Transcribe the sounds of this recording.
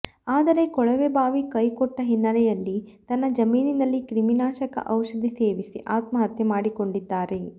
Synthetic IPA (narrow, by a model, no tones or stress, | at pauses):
aːd̪ɐɾe̞kɔɭɐʋebʱaːʋikɐjkɔʈːɐɦinːɐlɛjɐlːit̪ɐnːɐd͡ʒɐmiːninɐlːikɾiminaːʃɐkɐ̰ʔɐwʃɐd̪ʱise̞ːʋisḭʔaːt̪mɐɦɐt̪jɐmaːɽiko̞ɳɖid̪ːaːɾe̞